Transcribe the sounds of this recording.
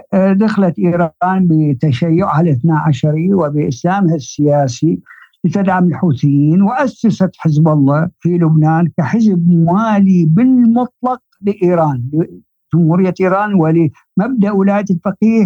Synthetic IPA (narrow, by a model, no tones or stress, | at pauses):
d̪axlat̪ʔiːɾˤːnbɪt̪aʃajːʊʕʕalɪθnaːʕaʃɑɾˤiwɪbɪʔɪslaːmhasːɪjaːsilɪt̪ɪd̪ʕamɪlħuːθɪjːiːnwɪʔasːasat̪ħɪzbɑlˤːɑːfilʊbnaːnkaħɪzbmwaːlibɪlmʊt̪ˤlɑq̚ | lɪʔiːɾɑːnlɪ | d͡ʒʊmhuːɾɪjːaʔiːɾˤɑːnwɪl | mab̚d̪aʔwɪlaːjaɪlfɑqiːh